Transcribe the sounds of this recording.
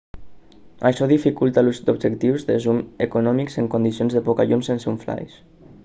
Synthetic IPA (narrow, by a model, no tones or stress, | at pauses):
aʃɔðifikulˠt̪aluzd̪ubʒekt̪iwzðəzumekunɔmikseŋkund̪isionzðəpɔkaʎumsensuɱfla̰js